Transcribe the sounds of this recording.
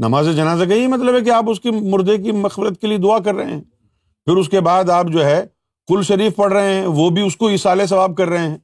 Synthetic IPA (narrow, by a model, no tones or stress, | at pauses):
nɐ̰maːzed͡ʒɐnaːzakɐiɛmɐt̪ləbɦɛk̬eaːpʊskimʊɾd̪ek̬imɐxfɪɾət̪̚kelied̪ʊak̬ɐɾːɐɦḛ̃ɦɛ̃ː | fɪɾʊs̬kebaːd̪aːpd͡ʒoːɦɛ | qʊlʃɐɾiːfpɐɽ̤ɾɐɦeɦɛ̃ʋoːbʱiʊskoɪsaːles̬ɐʋaːb̚kɐɾːɐɦẽɦɛ̃ː